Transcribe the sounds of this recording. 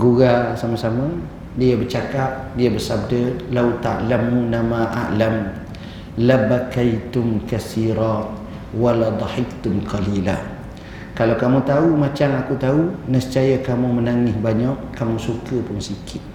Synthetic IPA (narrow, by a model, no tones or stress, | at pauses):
ɡuɣasamasamə | diəbərt͡ʃakap̚diəbərsab̚dəlawt̪aʔlamːunamaʔa̰ʔlam | labakajt̪ʊmkasiɾa | walad̪ˤɑħɪkt̪ʊmqʰalila̰ | kalawkamũt̪aumat͡ʃamakut̪aunəst͡ʃajəkamumənaŋɪhbaɲaʔkamũsukəpʊnsikʰɪt̪̚